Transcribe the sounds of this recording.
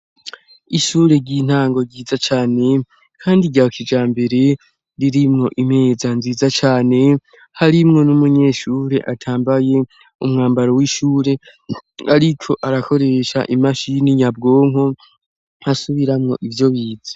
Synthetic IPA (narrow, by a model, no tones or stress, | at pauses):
iʃuːɾe̞ɟiːn̥haːŋɡo̞ɾɟiːzat͡ʃaːne̞ | kʰaːndiɟaːkʰid͡ʒaːmbe̞ɾe̞ | ɾiɾimŋo̞ʔim̥he̞ːzanziːzat͡ʃaːne̞ | haɾimŋo̞numuɲe̞ʃuːɾe̞ʔatʰaːmbaje̞ | umŋaːmbaɾowiʃuːɾe̞ | aɾikʰo̞ʔaɾakʰo̞ɾe̞ʃa̰ʔimaʃiniɲab̚ɡo̞ːŋ̥o | hasuβiɾamŋo̞ʔivjo̞βiːzḁ